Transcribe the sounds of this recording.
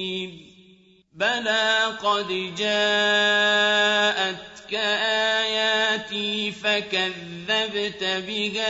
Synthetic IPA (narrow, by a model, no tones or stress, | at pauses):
balaqɑd̪d͡ʒaː | ʔat̪kaʔajaːt̪ifakaðːabt̪bɪha